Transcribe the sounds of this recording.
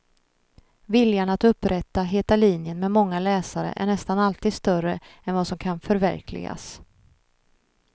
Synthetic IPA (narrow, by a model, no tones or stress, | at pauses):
vɪljaɳat̪ɵpːɾɛt̪ːaɦeːt̪aliːnjənmɛmɔŋːalɛːsaɾə̰ʔæ̰ɳɛst̪analt̪ʰiːd̪st̪œrəɛnvasɔmkʰanfœɾvæ̰ɾkʰlɪ̰ɡa̰s